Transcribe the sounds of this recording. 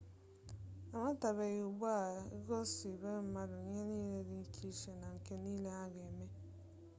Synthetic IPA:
a˨ma˦ta˨βe˨ɣu˨bu˦a˦˨i˦ɡo˦si˨be˦m̩˦ma˦dʊ˨ɲe˦niː˦le˦di˦ŋ̩˦kʰi˦ʃe˦na˨ŋ̩˨ke˦niː˦le˦a˦ɡe˨me˦

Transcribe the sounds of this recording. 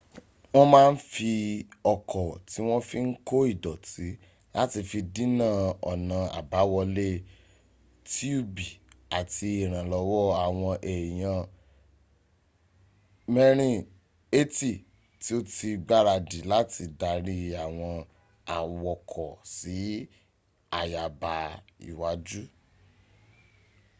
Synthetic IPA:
w̃ɔ̃˦mãː˦˧n̩˦fi˧ɔ˧kʰɔ˨ti˨˦w̃ɔ̃˦fi˦ŋ̩˦ko˦i˦˨dɔ˨ti˨˦ | la˦ti˧fi˧dĩ˦nã˦˨ɔ̰˨nã˨a̰˨ba˨˦wɔ˧le˦ | ti˦o˦bi˨a˨ti˧i˨ɾ̃ã˨lɔ˨˧˦wɔ˦a˦˨w̃ɔ̃˧ʔɛ˨j̃ã˧ | mɛ˧ɾ̃ĩ˧ | e˦ti˦˨ | ti˦o˦ti˧ɡ͡ba˦ɾa˧di˨la˦tʰi˧da˧ɾi˦a˨w̃ɔ̃˧ | a˨wɔ˧˨kʰɔ˨si˨˦ | a˨ja˨ba˧ḭ˨wa˨˦d͡ʒu˦

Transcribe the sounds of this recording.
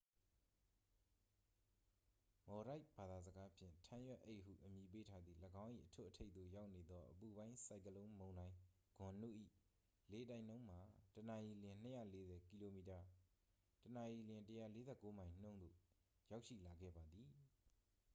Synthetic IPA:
mɔ˨ɾa˦ɪb̥a˨d̪a˨zəɡa˦pʰjɪ̰̃˦˨ntʰã˦jwɛ˦ʔe˦ɪʔɦṵ˦˨ʔəmji˨p̬e˦tʰa˦d̪ðḭ˦˨ləɡã˦ʊ̃ʔḭ˦˨ʔətʰʊ̰˦ʔətʰe˦ɪt̪ðo̰˦˨ja˦ʊʔne˨d̪ɔ˦ʔəpu˨bã˦ɪ̃sa˨ɪ̃kəlõ˦ʊ̃mõ˨ʊ̃nã˨ɪ̃ | ɡ̥ʊ̃˨nṵ˦˨ʔḭ˦˨ | le˨˦t̬ã˨ɪ̃nõ˦ʊ̃m̥a˨təna˨ji˨lɪ̃˨n̥əjä̰˦˨le˦zɛ˨ki˨lo˨mi˨ta˨ | təna˨ʔi˨ljɪ̃˨ntəja̰˦˨le˨˦zɛ̰˦˨kːo˦mã˨ɪ̃n̥õ˦˨ʊ̃nd̪o̰˦˨ | ja˦ʊʔʃḭ˦˨la˨ɡɛ̰˦˨ba˨d̪ði˨

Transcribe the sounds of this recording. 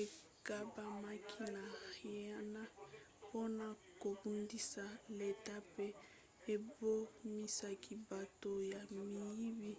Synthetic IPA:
e˨ | ka˦ba˦ma˦kʰi˦na˨i˨˦a˦na˦ | po˦na˦ | ko˨bu˦ndi˦sa˨le˨ta˦pe˦ | e˨bo˦mi˦sa˨ki˨ba˨to˨ja˨mi˨ji˦bi˦

